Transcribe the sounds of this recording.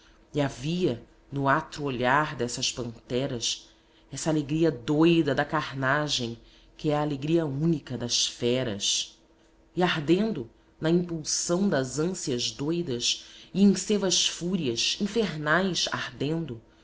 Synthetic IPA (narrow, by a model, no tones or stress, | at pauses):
iaviɐ | nʊat̪ɾʊoʎaɾd̪ɛsɐʃpɐ̃nt̪ɛɾɐs | ɛsɐaːleɡɾiɐd̪ojd̪ɐd̪ɐkaɾnaʒẽj̃ | kɪɛaːleɡɾiɐũnikɐd̪ɐʃfɛɾɐ̰s | ɪaɦd̪ẽnd̪ʊ | nɐĩmpulsɐ̃w̃d̪ɐzɐ̃siɐzd̪ojd̪ɐsɪẽj̃sevɐʃfuɾiɐʃĩfeɾnajsa̰hd̪ẽnd̪ʊ